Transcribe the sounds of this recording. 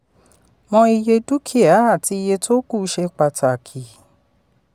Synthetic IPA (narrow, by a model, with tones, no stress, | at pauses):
mɔ̃˧i˧je˧du˦kʰi˦a˨˦a˦˨ti˧i˧je˧to˦ku˦˨˦ʃe˧k͡pa˧ta˨kʰi˨